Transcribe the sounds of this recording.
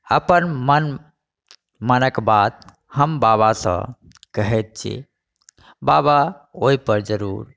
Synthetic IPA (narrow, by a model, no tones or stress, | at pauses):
əpənmən | mənəkbat̪ | həmbaβasə̰̃ | kəɦɛt̪̚t͡ʃʰḭ | babaoipəɾd͡ʒəɾuɾ